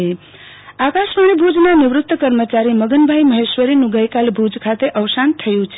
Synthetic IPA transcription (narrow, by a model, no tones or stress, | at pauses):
e | akaʃɾəɳ̃ibʱud͡ʒnanɪʋɾʊt̪wəkəɾmət͡ʃaɾiməɡənbʱajməɦeʃʋəɾinũɡəjkalbʱud͡ʒkʰat̪eʔəʋsant̪ʰəjũt͡ʃʰ